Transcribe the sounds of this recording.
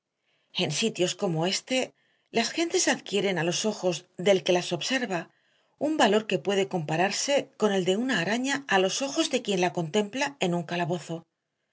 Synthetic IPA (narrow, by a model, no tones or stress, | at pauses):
ensit̪jo̞sko̞mo̞e̞st̪e̞ | lasxe̞nt̪e̞saðkje̞ɾe̞nalo̞so̞xo̞zðe̞lke̞laso̞βse̞ɾβa | umbalo̞ɾke̞pwe̞ð̞e̞ko̞mpaɾaɾse̞ko̞ne̞ld̪e̞unaːɾaɲaːlo̞so̞xo̞zðe̞kje̞nlako̞nt̪e̞mplae̞nuŋkalaβo̞θo̞